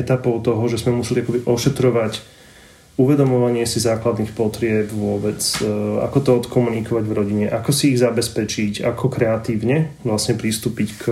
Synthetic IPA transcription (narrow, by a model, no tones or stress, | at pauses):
t̪apɔʊt̪ɔɦɔʒɛzmɛmusɛliakɔbiʔɔʃɛt̪ɾɔʋac | uʋɛd̪ɔmɔʋaɲɪɛsizaːklad̪nixpɔt̪ɾɪɛpʋʊɔbɛt͡sa̰kɔt̪ɔɔt̪kɔmunikɔʋaɟvɾɔɟiɲɛʔakɔsiːɣzabɛspɛt͡ʃicakɔkɾɛat̪iːʊɲɛʋlasɲɛpɾist̪uːpick